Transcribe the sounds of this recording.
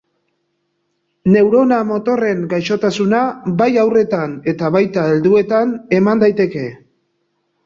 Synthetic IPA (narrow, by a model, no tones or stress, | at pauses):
ne̞wɾo̞namo̞t̪o̞re̞ŋɡajʃo̞t̪asunabajawre̞t̪ane̞t̪aβajt̪ae̞ld̪ue̞t̪ane̞mand̪ajt̪e̞ke̞